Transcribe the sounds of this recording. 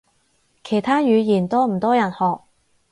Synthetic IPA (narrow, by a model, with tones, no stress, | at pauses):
kʰe˨˩jt̪ʰaː˥jyː˨˧jiː˨˩nt̪ɔː˥m̩˨˩t̪ɔː˥jɐ˨˩nhɔː˨k̚